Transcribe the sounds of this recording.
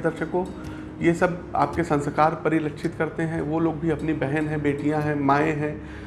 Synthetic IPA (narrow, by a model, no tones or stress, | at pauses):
d̪ɐɾʃəko | jesɐba̰ːp̚kesɐ̃nskaːɾpɐɾɪlɐkʃʰɪt̪kɐɾt̪eɦɛ̃ʋoloːɡ̚bʱiɐpnibɛɦənɦɛ̃beːʈijãɦɛ̃maːẽɦɛ̃ː